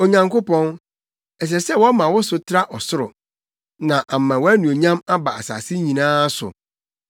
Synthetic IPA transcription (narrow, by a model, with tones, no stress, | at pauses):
o˨ɲã˨ŋko˦pɔ̃˦n | ɛ˨s̬ɛ˨sɛ˦wɔ˦mã˨wʊ˦sʊ˨tʰɪ˦ɾa˦ʔɔ˨sʊ˦ɾʊ̰˨ | nã˨ʔa˨m˨mːã˨wɔ˦æ˦nũ˨o˨ɲã˦ma˦ba˨a̰˨sa̰ː˨sɪ˦ɲĩ˨nãː˦sʊ̰˨